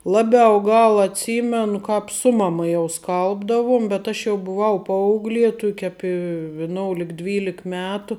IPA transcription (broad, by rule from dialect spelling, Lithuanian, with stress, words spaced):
ˈlˠɑːˌbʲɛʊ ˈɡɐlˠ ɐtʲˈsʲiːmʲɛnʊ ˈkɑːp ˈsʊ mɐˌmɐ jɛʊ ˈskɐlˠbdɐʋuɔm bʲɛt ˈɐʃ jɛʊ bʊˈʋɐʊ ˈpɐɐʊɡlʲiɛ ˈtʊkʲ ˈɑːpʲɪ ʋʲɪˈnoːʊlʲɪk ˈdʲʋʲiːlʲɪk ˈmʲæːtʊ